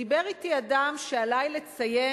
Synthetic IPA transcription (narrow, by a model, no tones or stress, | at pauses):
ibeʁit̪iadamʃealajle̞t͡saje